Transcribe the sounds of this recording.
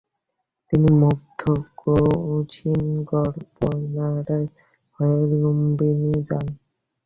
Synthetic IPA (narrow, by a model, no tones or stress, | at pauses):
t̪inimobd̪ʱːokout͡ɕinɡɔɾbonaɾa | hɔjaɾlombenid͡ʑan